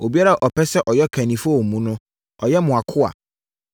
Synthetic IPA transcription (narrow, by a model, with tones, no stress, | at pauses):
o˨bi˦a˦ɾa˨ʔɔ˨pʰɛ˦sɛ˦ʔɔ˨jɛ˦kʰæ̃˨nĩ˨fɔ˦˨mũ˦nʊ̃˦ | ɔ˨jɛ˦mʊ̃˨a˨kʰʊ˦a̰˨